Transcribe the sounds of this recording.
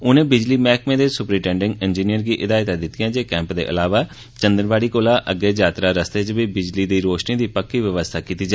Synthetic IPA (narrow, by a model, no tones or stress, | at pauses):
ʊnẽːbɪd͡ʒliːmɛːkmẽːd̪eːsʊpɾiːʈɛ̃ːɳɖɪ̃ŋɡɪnd͡ʒiːnijəɾɡiːʔɪd̪aːɪt̪ãd̪ɪt̪ɪjãːd͡ʒeːkɛ̃ːmpd̪ḛːʔə̰laːʋaː | t͡ʃə̃nd̪əɾʋaːɽiːkoːlãːʔəɡːeːd͡ʒaːt̪ɾaːɾəst̪eːt͡ʃbiːbɪd͡ʒliːd̪iːɾoːʃniːd̪iːpəkːiːʋəʋəst̪ʰaːkiːt̪iːd͡ʒa